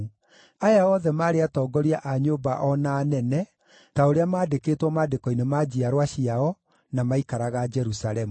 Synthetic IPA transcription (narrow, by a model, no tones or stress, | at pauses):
ajaɔðɛmaːɾeatɔːɡɔɾiaʔaɲobaʔɔnaːnɛnɛ | taoɾeamaːdekeːtwɔmaːdekɔinemad͡ʑiaɾwaɕiaɔ | namaikaɾaɣad͡ʒɛɾusalɛmu